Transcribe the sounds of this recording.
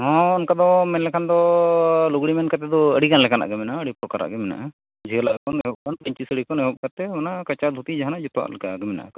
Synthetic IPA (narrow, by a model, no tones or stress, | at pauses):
ɦɔ̃ɔnkad̪ɔmɛnlɛkʰand̪ɔluɡɽimɛnkat̪ɛd̪ɔəɽiɡanlɛkana̰ʔɡɛmɛnaəɽipɾɔkaɾa̰ʔɡɛmɛna̰ʔa | d͡ʒiəlaʔkɔnɛɦɔp̚ɡanpəɲt͡ʃisəɽikɔnɛɦɔp̚kat̪ɛmanakat͡ʃad̪ʱut̪id͡ʒaɦanad͡ʒut̪wa̰ʔlɛkaɡɛmɛna̰ʔ